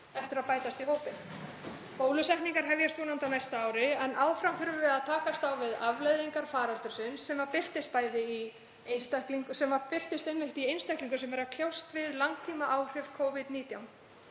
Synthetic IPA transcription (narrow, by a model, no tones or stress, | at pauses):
ɛft̪ʏɾaðpaːjt̪ast̪iɦoːwpɪn | poːwlʏsɛhkniŋkaɾ̥ɦavjɛɾst̪uːnant̪awnajst̪aaːwɾɪɛnʔaːwfɾamfɪɾvʏvɛaðt̪ʰaːkast̪awvɪðavlejðiŋkaɾ̥faːɾalt̪ʏɾ̥sɪnsːɛmaɾpɪr̥t̪ɪst̪̚paːjðɪi | ejnst̪akliŋksɛmaɾpɪr̥t̪ɪst̪ejnːɪht̪iejnst̪ahkliŋkʏsɛmvɛɾakʰljawst̪vɪðlaŋk̚t̪ʰiːmaʔaːwr̥ɪfkʰoːwvɪt̪niːt̪jawm